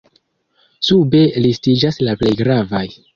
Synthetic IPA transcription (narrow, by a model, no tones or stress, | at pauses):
sube̞listid͡ʒaslaple̞jɡɾavaj